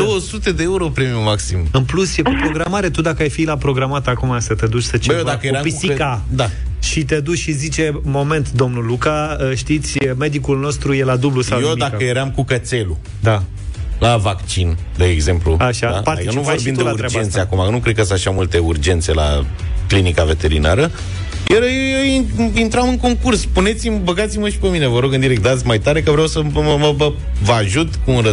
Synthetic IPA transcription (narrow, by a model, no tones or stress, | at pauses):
d̪owəsut̪e̞d̪eeuɾo̞pɾemiumaksimɨnplusjekupɾoɡɾamaɾe̞t̪ud̪akəajfilapɾo̞ɡɾamat̪akumasət̪e̞d̪ut͡ʃsət͡ʃejod̪akəjeɾampisikad̪a | ʃit̪e̞d̪ut͡ʃʃizit͡ʃe̞mo̞me̞nt̪d̪o̞mnulukaəʃt̪it̪sʲme̞d̪ikulno̞st̪ɾuje̞lad̪ublusawjomid̪aəjjeɾamkukət̪se̞lu | d̪a | lavakt͡ʃin | d̪eːɡze̞mplṵaʃad̪apat̪enuvorimd̪uelat̪ɾad͡ʒanseakumanukɾe̞d̪kəsaʃawmult̪e̞urd͡ʒe̞nt̪se̞la̰ | klinikave̞t̪e̞ɾḭnaɾə | jʔeɾiint̪ɾamɨŋko̞ŋkurspune̞t̪simbəɡat̪siməʃi̥pemine̞vəɾo̞ɡɨnd̪iɾek̚t̪̚d̪at̪sʲmajt̪aɾe̞kəvɾeawsəməə | vaʒut̪kuːnɾə